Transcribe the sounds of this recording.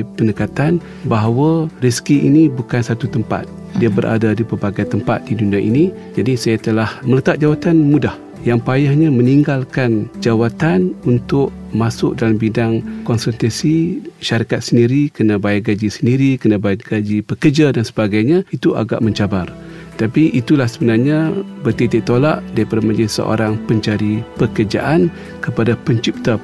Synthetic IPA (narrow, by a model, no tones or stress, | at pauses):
pənəkat̪an | baɦawəriskiʔḭnibukansat̪ut̪əmpa̰t̪̚ | diabəɾʔa̰dadipərbaɡajt̪əmpat̪̚diduniaʔḭni | d͡ʒadisajat̪əlahmələt̪at̪̚d͡ʒawat̪anmudah | jaŋpajahɲaməniŋɡalkand͡ʒawat̪anunt̪ʊʔ̚ | masʊk̚dalambidaŋkɔnsənt̪asiʃaɾikat̪̚səndiɾikənabajaʔ̚ɡad͡ʒisəndiɾikənabajaʔɡad͡ʒipəkərd͡ʒadansəbaɡajɲait̪uʔa̰ɡa̰ʔməɲt͡ʃabar | t̪apiʔit̪ulahsəbənarɲabərt̪it̪iʔ̚t̪ola̰ʔdaɾipadaməd͡ʒisə̰ʔo̰ɾaŋpəɲt͡ʃaɾipəkərd͡ʒa̰ʔan | kəpadapəɲt͡ʃip̚t̪əp̚